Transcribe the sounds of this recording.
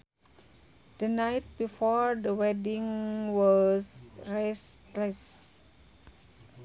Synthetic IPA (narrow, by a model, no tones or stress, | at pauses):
d̥ənajt̚bifɔɹdəwɛdĩŋwɔsɹeskles